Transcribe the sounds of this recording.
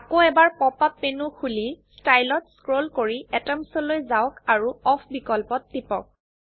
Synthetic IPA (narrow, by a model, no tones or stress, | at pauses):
akoɛbaɹpɔpapːenukʰulistajlɔtskɹolkoɹiɛtɛmsɔlojzawkaɹuɔpʰbikɔlpɔtːipɔ̰k̚